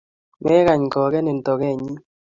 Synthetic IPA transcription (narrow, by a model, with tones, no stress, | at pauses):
mɛ˦ɣa˨ɲ˨kɔː˨kɛ˦ne˨n˨tɔ˨ɣɛ˦˨ɲi˦